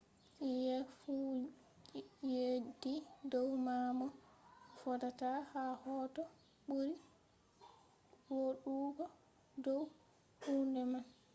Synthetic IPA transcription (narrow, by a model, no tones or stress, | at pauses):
jɛfu | jedidɔwmamɔfɔdatahahɔːtɔ | ɓuɾi | woɗuːɡɔ | dɔw | hundɛman